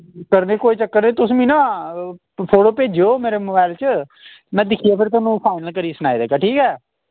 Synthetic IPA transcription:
kəɾneːkoːiːt͡ʃəkːəɾneːt̪ʊsʋĩːnãː | pʰoːʈoːpeːd͡ʒoːmeːɾeːmoːbaːɪlt͡ʃə | mɛ̃ːd̪ɪkʰiːaːpʰɪɾt̪ɔːnũːpʰaːɪnəlkəɾiːsəna̰ːid̪eːkaːʈʰiːkɛː

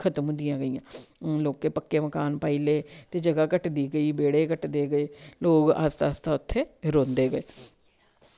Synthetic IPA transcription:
kʰət̪m̃d̪ɪjãːɡəiːãːloːkːeːpəkːeːməkaːnpaːiːleːt̪eːd͡ʒəɡaːkəʈd̪iːɡəiːbeːɽeːkəʈd̪eːɡəeːloːka̰st̪aːst̪aːʊt̪ʰːeːɾõːnd̪eːɡəeː

